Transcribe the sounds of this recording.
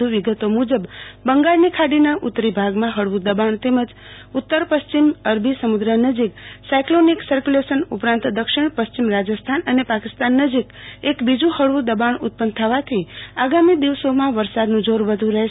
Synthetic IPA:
uʋiɡət̪omud͡ʒəbbəŋɡaɾnikʰaɽinaʔut̪ːɾibʱaɡmãɦəɭʋũd̪əbaɳt̪eməd͡ʒ | ʊt̪ːəɾpəʃt͡ʃiməɾbʱisəmud̪ɾənəd͡ʒiksajkloniksəɾkjulesənupɾãnt̪d̪əkʃɪɳpəst͡ʃimɾad͡ʒəst̪ʰanənepakist̪anːəd͡ʒikekbid͡ʒũhəɭʋũd̪əbaɳʊt̪̚pənt̪ʰəʋat̪ʰiaɡamid̪iʋsomãʋəɾsad̪nũd͡ʒoɾʋəd̪ʱũɾəɦ

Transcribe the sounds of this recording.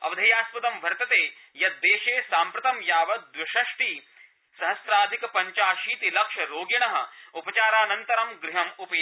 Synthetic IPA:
ɐ̰ʋɐd̪ʱɐjaːspɐd̪ɐmʋʱɐɾt̪ɐt̪eː | jɐt̪̚d̪eːʃeːsaːmpɾɐt̪ɐmjaːʋɐd̪ʋɐʃɐʂʈiː | sɐɦɐsɾaːd̪ʱikɐpɐɲt͡ʃaːʃiːt̪ilɐkʂɐɾoːɡjɐɳɐɦɐ̰̆upɐt͡ʃaːɾaːnɐnt̪ɐɾɐmɡɾiɦɐmupeː

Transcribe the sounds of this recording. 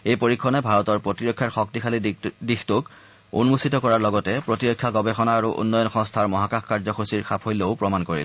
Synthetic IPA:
ejpoɹikʰːɔnɛbʱaɹɔtɔɹpɹotiɹɔkʰːjaɹxɔk̚tixʰalidixtok | ṵnmusitɔkɔɹaɹlɔɡɔtɛpɹotiɹɔkʰːjaɡɔbexɔnaːɹuʔṵnːɔjɔnxɔ̃ŋstʰaɹmɔɦakaxkaɹzɔxʰosiɹxʰapʰojleʊpɹɔmankoɹḭl

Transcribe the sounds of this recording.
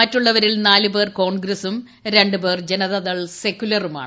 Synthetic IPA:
ɐtːuɭːɐʋɐɾilnaːlube̞ːrko̞ːɳɡɾɐsum | ɾe̞ɳɖɨbe̞ːrd͡ʑenɐðɐðɐɭse̞kʲːulɐruma̰ːɳ

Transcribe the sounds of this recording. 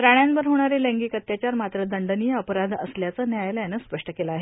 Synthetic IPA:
ɾaɳ̃janʋəɾɦoɽ̃aɾelẽŋɡiːkət̪jat͡ɕjaɾmat̪ɾəd̪əɳɖənijəəpəɾad̪ʱə̰sljat͡sənjajljanəspəʂʈəkelaːɦe

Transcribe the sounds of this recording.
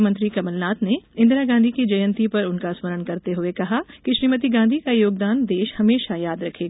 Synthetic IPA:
mə̃nt̪ɾikɐməlnaːt̪neɪ̃nd̪ɾaɡãːnd̪ʱikid͡ʒɐjə̃nt̪ipɐɾʊnkasməɾəɽkɐɾt̪eɦʊekɐɦakiʃɾiːmət̪̬iɡãːnd̪ʱikajoːɡ̚d̪aːnd̪eːʃhɐmeːʃajaːd̪ɾɐkʰeːɡaː

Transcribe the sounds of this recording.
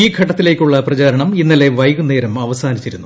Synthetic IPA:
iːɡʱɐʈːɐt̪ːile̞ːkʲːuɭːɐprɐt͡ɕaːɾɐɳɐminːɐle̞ʋɐjɣunːe̞ːɾɐmɐʋɐsaːnit͡ɕːiɾunːu

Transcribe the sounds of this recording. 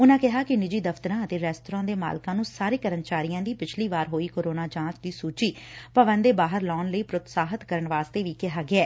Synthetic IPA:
ʊnãːkɪɦaːkɪnɪd͡ʒiːd̪əft̪əɾãːət̪eːɾɛːst̪ʊɾãːd̪eːma̰ːlkãːnũːsaːɾeːkəɾənt͡ʃaːɾijãːd̪iːpɪt͡ʃʰliːʋaːɾɦoːiːkoːɾoːnaːd͡ʒãːt͡ʃd̪iːsuːt͡ʃiːpəʋənd̪eːbaːɦəɾlɔːnləiːpɾʊt̪saːɦət̪kəɾəɳʋaːst̪eːʋiːkɪɦaːɡɪɛː

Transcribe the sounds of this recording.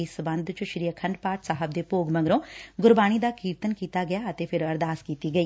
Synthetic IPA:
ɪsbənd̪t͡ʃʊʃɾijəkʰəɳɖpaːʈsaːɦəb̚d̪eːpoːɡmə̃ŋɡɾõːɡʊɾbaːñiːd̪aːkiːɾt̪ənkiːt̪aːɡɪjaːət̪eːpʰɪɾəɾd̪aːskiːt̪iːɡəiː

